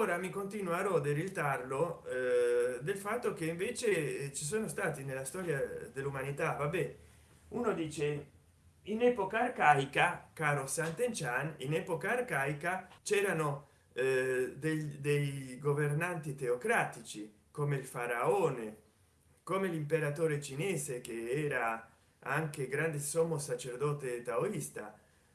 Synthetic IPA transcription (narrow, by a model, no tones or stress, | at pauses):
oːɾamikont̪inwaɾɔd̪eɾilt̪arlo | d̪elfat̪ːokeiɱveːt͡ʃet͡ʃis̬oːnost̪aːt̪inelːast̪ɔːɾjad̪elːumanit̪avabɛ | unod̪iːt͡ʃe | inɛpokaːrkaikakaːɾosant̪ent͡ʃaninɛpokaːrkaːjkat͡ʃɛːɾano | d̪ed̪ejɡovernant̪it̪eokɾaːt̪it͡ʃi | komeilfaɾaoːne | komelimpeɾat̪oːɾet͡ʃinɛːsekeɛːɾa | aŋkeɡɾand̪esɔmːosat͡ʃerd̪ɔːt̪et̪aoist̪a̰